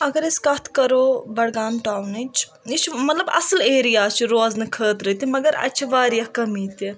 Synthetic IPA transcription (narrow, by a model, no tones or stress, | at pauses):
ɐɡɐɾiskɐt̪ʰkɐɾoːbɐɽɡaːnʈaːwnit͡ʃʰ | it͡ʃʰmɐt̪lɐbɐ̰sleːɾijaːt͡ʃʰiɾoːznɨkʰəːt̪ɾɐt̪imɐɡɐɾɐ̰t͡ʃʰiʋaːɾijɐhkɐmiːt̪i